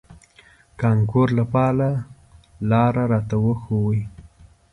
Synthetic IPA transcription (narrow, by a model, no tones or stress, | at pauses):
kɑŋkoɾlapɑla | lɑɾaɾɑt̪awəxowi